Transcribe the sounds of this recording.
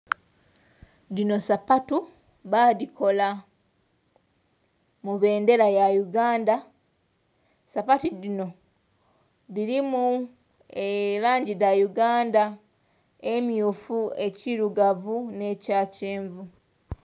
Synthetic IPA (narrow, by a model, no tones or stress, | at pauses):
ðino̞sapatu | βadikʰo̞la | muβe̞ːnde̞ɾajajuɡaːnda | sapatidino̞ | ðiɾimu | elaːɲɟidajuɡaːnda | emjufue̞ciɾuɡavune̞caːceːɱvu